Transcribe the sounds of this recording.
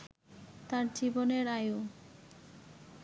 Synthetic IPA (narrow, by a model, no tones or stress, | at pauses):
t̪aɾd͡ʑiboneɾaju